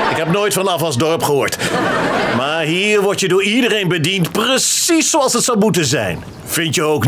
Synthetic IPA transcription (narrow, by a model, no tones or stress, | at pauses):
ɪkɦɛpnoːjtfɑnɑfɑlˠzdɔɹpχəɦʊːɹt | maːɹɦiːɹʋɔɹtjədʊːɹidərejnbədintprəsisowɑlˠsɦətsʌwmutənzɛ̰jn | v̥ɪntjəowk